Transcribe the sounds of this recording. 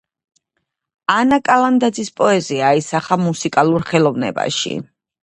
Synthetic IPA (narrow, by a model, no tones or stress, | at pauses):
anakʼaland̪ad̪zispʼɔɛziaisaχamusikʼalˠuɾχɛlˠɔvnɛ̰ba̰ʃḭ